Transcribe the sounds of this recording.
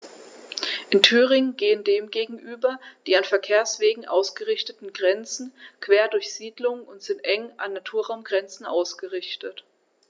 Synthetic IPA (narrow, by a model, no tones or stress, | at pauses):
ʔɪntʰyːʁɪŋəɡeːəndeːmɡeːɡŋ̩ʔyːbɐd̥iːanfɛɐkʰeːɐsv̥eːɡŋ̩ʔa̰ʊsɡ̥əʁɪçtətn̩ɡʁɛnt͡sn̩kv̥eːɐdʊɐçz̥iːdlʊŋnʊntz̥ɪntʔɛŋʔa̰nːatʰuːɐʁaʊmɡʁɛnt͡sn̩ʔa̰ʊsɡ̥əʁɪçtət